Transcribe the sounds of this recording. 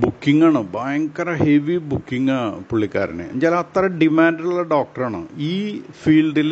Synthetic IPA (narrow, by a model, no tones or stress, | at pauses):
bukːiŋːaːɳɨbajŋkːɐrɐheʋibukːiŋɐpuɭːikʲːa̰ːɾɐ̰nḛɲd͡ʑaːlɐt̪rɐɖimaːnɖiuɭːɐɖoːk̚ʈɐraːɳɨ̰iːfiːlɖil